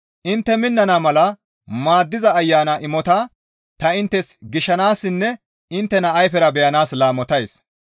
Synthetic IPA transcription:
ʔɪnt̪ːɛmɪnːɐnɐmɐlɐ | maːd̪ːɪzɐːjːaːnɐʔɪmɔt̪aː | t̪ɐɪnt̪ːɛsɡɪʃɐnaːsːɪnːɛ | ɪnt̪ːɛnɐɐjfɛɾɐbɛjɐnaːslaːmɔt̪ɐjs

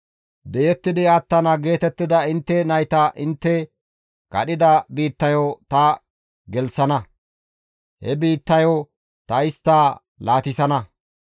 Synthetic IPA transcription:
d̪ɛjɛt̪ːɪd̪ɪat̪ːɐnɐɡe̞ːt̪ɛt̪ːɪd̪ɐɪnt̪ːɛnɐjt̪ɐʔɪnt̪ːɛ | kɐ̰ɗɪd̪ɐbiːt̪ːɐjot̪ɐ | ɡɛlsɐnɐ | hɛ̰biːt̪ːɐjo | t̪ɐɪst̪ːɐ | laːt̪ɪsɐnɐ

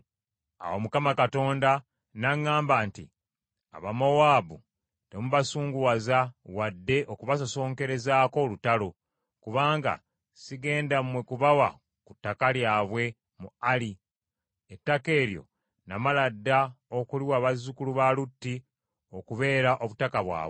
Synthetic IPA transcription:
a̰womukamakato̞ːnda | naŋːaːmbaːntḭ | a̰βamowaːbu | te̞muβasuːŋɡuwazawadːe̞ʔo̞kuβasoso̞ːŋke̞ɾe̞zaːko̞lutalo̞ | kuβaːŋɡa̰ | siɡe̞ːndamwe̞kuβawa̰ | kutːakaljaːβwe̞ | muali | etːake̞ːɾjo̞̰ | namaladːaokuliwaːβazukuluβalutːi | o̞kuβe̞ːɾaʔo̞βutakaβwa̰ːβw

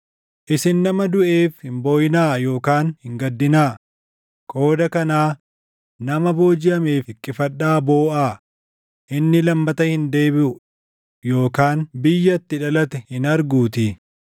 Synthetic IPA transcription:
ʔɪsɪnːɐmɐd̪ʊʔe̞ːfhɪmboːjɪnaːjo̞ːkaːnhɪŋɡɐd̪ːɪnaː | kʼo̞ːd̪ɐkɐnaː | nɐmɐbo̞ːd͡ʒɪʔɐmeːfɪkʼːɪfɐᶑaːbo̞ːʔaː | ʔɪnːɪlɐmːɐt̪ɐhɪnd̪e̞ːbɪʔʊ | jo̞ːkaːnbɪjːɐt̪ːɪᶑɐlɐt̪ɛhɪnɐɾɡuːt̪ɪ

